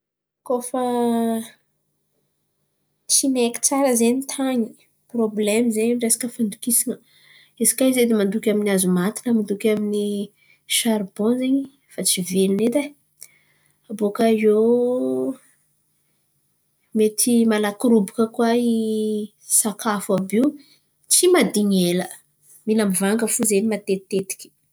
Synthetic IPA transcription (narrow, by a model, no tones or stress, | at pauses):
kofə | t͡sineki̥t͡saɾəzenit̪ʰaɲi | problɛmizeɲɳɖ͡ʐesḁkəfand̪ukisinə | ezi̥kaized̪imand̪ukʲaminiazumat̪i̥nəmand̪ukʲamini | ʃaɾbɔ̃zeɲi | fat͡sivelined̪a | abokajo | met̪ʰimalakɾubikəkwai | sakafuabiw | t͡simad̪iɲelə | milamivaŋɡəfuzenimat̪et̪et̪i̥kʲi̥